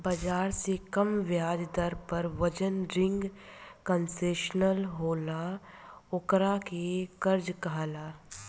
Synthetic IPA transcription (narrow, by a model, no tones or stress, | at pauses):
bɐd͡ʒaːɾsekɐmʋjaːd͡ʒd̪əɾpɐɾʋɐd͡ʒənɾɪ̃ŋɡkə̃nseːʃnəlɦoːla | ʊkɾakekəɾd͡ʒkaɦlaː